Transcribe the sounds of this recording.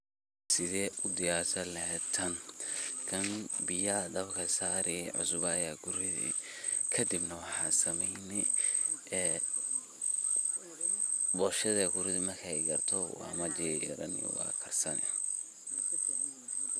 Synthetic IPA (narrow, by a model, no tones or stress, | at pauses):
sɪðɛːʔʊd̪ɪjaːrsʰɐlɐɦɛːt̪ʰɐnkʰɐnbɪjɐd̪ɐbkʰɐsaːɾɪɛʕʊ̰sʊβɐːjaːɡʊɾɪðḭ | kʰɐd̪ibnɐwɑħɑːsɐmɛjnɪ | ɛː | bɔːʃɐðɐɡʊɾɪðɪmɐrkʰɐɛjɡɐrt̪ʰɔwɑ̰ːmɐd͡ʒɪːɾɐ̰nḭwɑ̰ːkʰɐrsɐnɛ̰